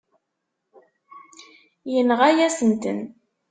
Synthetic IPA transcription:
jənʁæjæsənt̪ə̰n

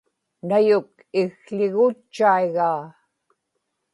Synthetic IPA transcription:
najʊk̚ | ɪɣɬɪɣut͡ʃːaiɣaː

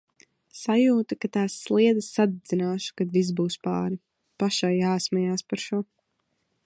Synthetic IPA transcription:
sajuːt̪akat̪aːsːlˠiɛd̪asːad̪d̪zinaːʃu̥kad̪vis̬buːspa̰ːɾi | paʃajːaːsmɛjaːspaɾʃuɔ

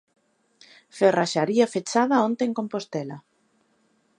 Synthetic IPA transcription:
feraʃaɾiafet͡ʃaðɐont̪eŋkompost̪ɛla

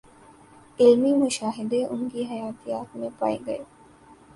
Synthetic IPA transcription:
ʔilmiːmuʃaːɦɪd̪eːʔuŋɡiːɦɐjaːt̪ijaːt̪umepa̰iɡɐ̰e

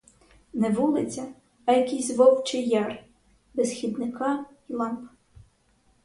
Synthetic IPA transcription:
nɛʋulˠɪt͡sʲɐː | jɐkijzʲʋɔwt͡ʃɪjɑr | besxʲid̪nɪkɑ | ilˠɑmp

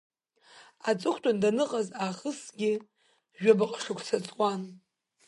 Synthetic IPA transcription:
at͡sʼɨχʷtʼandanɨqʼazaχəsɡʲɪ | ʒᶣabaqʼʂɨkʷsʰat͡sʼwan

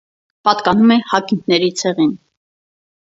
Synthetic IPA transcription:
pɑt̪kɑnumɛhɑkink̪ʰnɛɾit͡sʰɛʁin

